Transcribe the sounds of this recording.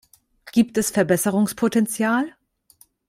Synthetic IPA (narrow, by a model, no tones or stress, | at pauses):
ɡ̥iːp̚tɛsfɛɐbɛsəʁʊŋspʰotɛnt͡sjaːl